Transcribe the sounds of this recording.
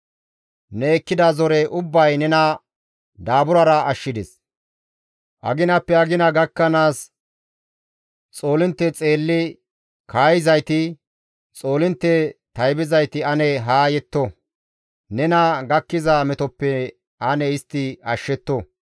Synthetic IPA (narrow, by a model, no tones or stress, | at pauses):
nɛːkːɪd̪ɐzɔɾɛʔʊbːɐjnɛnɐ | d̪aːbʊɾɐɾɐɐʃːɪd̪ɛs | ʔɐ̰ɡɪnɐpːɛɐɡɪnɐɡɐkːɐnaːs | t͡sʼo̞ːlɪnt̪ːɛt͡sʼe̞ːlːɪ | kaːjɪzɐjt̪ɪ | t͡sʼo̞ːlɪnt̪ːɛt̪ɐjbɪzɐjt̪ɪɐnɛɦaːjɛt̪ːɔ | nɛnɐɡɐkːɪzɐmɛt̪ɔpːɛ | ɐnɛɪst̪ːɪɐʃːɛt̪ːɔ